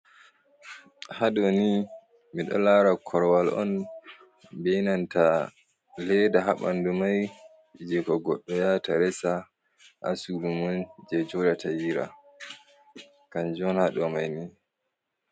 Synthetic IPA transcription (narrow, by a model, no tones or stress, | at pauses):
haɗɔni | miɗɔ̰laɾakʰɔɾwalʔɔ̰n | bejnanta | lɛdaɦaɓandumaj | d͡ʒɛkɔɡɔɗːɔjataɾɛsa | ʔa̰sulumɔnd͡ʒɛd͡ʒɔdatajiɾa̰ | kand͡ʒɔnhaɗɔmajni